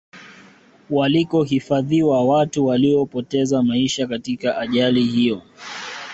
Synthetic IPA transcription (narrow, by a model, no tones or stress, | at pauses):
walikɔɦifaðiwawatuwaliɔpɔtɛzamaiʃakatikaʔaʄalihijɔ